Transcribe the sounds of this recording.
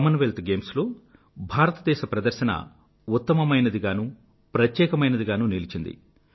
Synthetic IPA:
mɐnʋelt̪ɡeːmslo̞ː | bʱaːɾɐt̪ɐd̪ɛːʃɐpɾɐd̪ɐɾʃɐnɐ̰ | ut̪ːɐmɐmɐjnɐd̪iɡaːnu | pɾɐt̪jɛːkɐmɐjnɐd̪iɡaːnuːnilit͡ʃind̪ḭ

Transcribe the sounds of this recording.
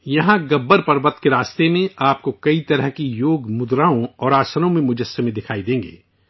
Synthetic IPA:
jɐɦãɡɐbːəɾpɐɾbət̪keɾaːst̪emẽaːp̚kokɐit̪ɐɾəɦkijoːɡmʊd̪ɾaːõɔːɾaːsənõmẽmʊd͡ʒəsjəmẽd̪ɪkʰaːid̪ẽːŋɡḛː

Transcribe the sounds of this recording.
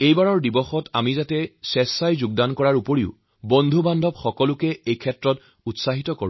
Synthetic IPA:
ejbaɹɔɹdibɔxɔta̰mizatɛsɛsːajzʊɡ̚dankɔɹaɹupoɹiʊ | bɔndʱubandʱɔpxɔkɔlʊkɛejkʰɛtɹɔt | utsaɦitɔko̰ɹ

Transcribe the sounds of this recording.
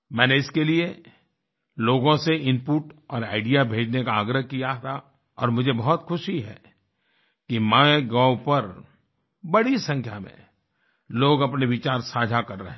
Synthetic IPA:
mɛ̃ːneɪskelie | loːɡõseɪ̃mpuːʈɔːɾaːɪɖijabʱeːd͡ʒnekaːɡɾəɦkijat̪ʰa | ɔ̰ːɾmʊd͡ʒʱebɐɦɔt̪xʰʊʃiɦɛ̰ | kimãːeɡaːwpɐɾ | bɐɽisɐ̃ŋkʰja̰mḛ̃ | loːɡɐpneʋɪt͡ʃaːɾsaːd͡ʒʱakɐɾːɐ̰ɦ

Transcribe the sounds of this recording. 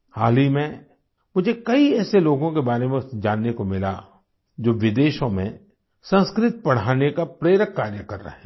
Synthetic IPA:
haːlimẽ | mʊd͡ʒʱekɐiɛːseloːɡõkebaːɾemẽʊsd͡ʒaːnːekomɪla̰ | d͡ʒoːʋɪd̪eːʃõmḛ̃ | sɐ̃nskɾɪt̪̚pɐɽ̤aːnekapɾeːɾəkːaːɾjəkɐɾːɐ̰ɦɛ̃ː

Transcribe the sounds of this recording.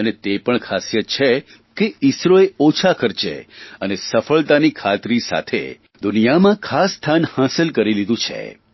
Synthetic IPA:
ənet̪epəɳkʰasjət̪̚t͡ʃʰe | keisɾoeot͡ʃʰakəɾt͡ʃḛənesəfəɭt̪anikʰat̪ɾisa̰t̪ʰḛ | d̪ʊnijamãkʰasːt̪ʰanhãsəlkəɾilid̪ũt͡ʃʰḛ

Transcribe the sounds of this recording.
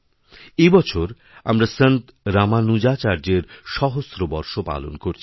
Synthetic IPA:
ejbɔt͡ɕʰoɾ | a̰mɾasənt̪ | ɾamanud͡ʑat͡ɕaɾd͡ʑeɾʃɔɦosɾobɔɾʃopa̰lo̰nkoɾt͡ɕʰi

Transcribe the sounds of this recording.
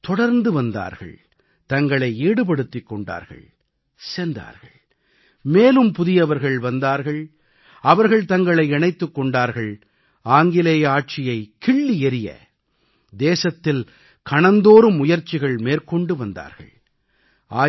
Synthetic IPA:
t̪ɔɽɐɾnd̪ɯʋɐnd̪a̰ːɾɣɐ̰ɭ | t̪ɐŋɡɐɭɐɪeːɽɯp̬ɐɽɯt̪ːɪkːɔɳɖa̰ːɾɣɐ̰ɭ | send̪a̰ːɾɣɐɭ | meːlɯmpʊðɪjɐʋɐɾɣɐɭʋɐnd̪aːɾɣɐɭ | ɐʋɐɾɣɐɭt̪ɐŋɡɐɭɐɪɛɳɐɪt̪ːɯkːɔɳɖaːɾɣɐɭ | aːŋɡɪleːjaːʈ̚t͡ʃɪjɐɪkɪɭːiɛɾɪjɐ̰ | d̪eːsɐt̪ːɪl | kɐɳɐnd̪oːɾɯmːʊjɐɾt͡ʃɪɣɐɭmeːɾkɔɳɖɯʋɐnd̪a̰ːɾɣɐ̰ɭ | aː

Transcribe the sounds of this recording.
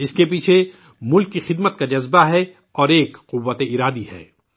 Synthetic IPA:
ɪskep̬iːt͡ʃʰe | mʊlkːixɪd̪mət̪̚kad͡ʒɐzbaɦɛ | ɔːɾeːkqʊʋːət̪eɪɾaːd̪ihɛ̰ː

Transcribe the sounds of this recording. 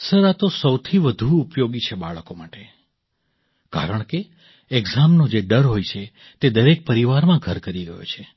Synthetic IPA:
səɾat̪osəwt̪ʰiʋəd̪ʱuːpjoɡit͡ʃʰebaɭkomaʈe | ka̰ɾəɳ̃ke | eɡzamnod͡ʒeɖəɾɦojt͡ʃʰe | t̪ed̪əɾek̚pəɾiʋaɾmãɡʱəɾkəɾiɡə̰jo̰t͡ʃʰe

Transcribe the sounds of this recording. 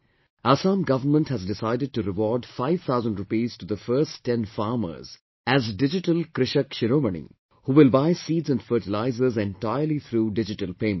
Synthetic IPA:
aːsãːmɡʌʋəɾmə̃nʈhæzdɪsaɪɖɪɖ̚ʈuɾɪʋɔːɾɖfaɪʋt̪ʰaʊzə̃nɖɾʊpiːz̥ʈud̪əfəːsɛ̃nfaːɾmə̰ɾz̥ | æzɖɪd͡ʒɪʈəlkɾɪʃəkʃɪɾoːmənḭ | huːʋɪlbaɪsiːdzɛ̃nfəːʈɪlaɪzəɾzɛ̃nʈaɪəɾlit̪ʰɾuːɖɪd͡ʒɪʈəlpẽːmə̃

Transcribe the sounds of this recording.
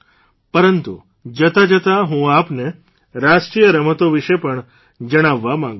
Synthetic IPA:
pəɾənt̪ṵ | d͡ʒət̪ad͡ʒət̪aɦũapne | ɾaʃʈɾijəɾəmət̪oʋiʃepəɳ | d͡ʒəɽ̃aʋːamãŋɡ

